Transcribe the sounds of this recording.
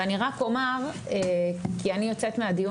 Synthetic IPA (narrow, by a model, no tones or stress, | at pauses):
aniʁako̞maʁ | ekianijo̞t͡set̪mead̪iju